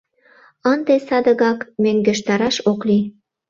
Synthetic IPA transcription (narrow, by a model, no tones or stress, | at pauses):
ənd̪esɑd̪ə̆ɣɑkmøŋɡĕʃt̪ɑɾɑʃokli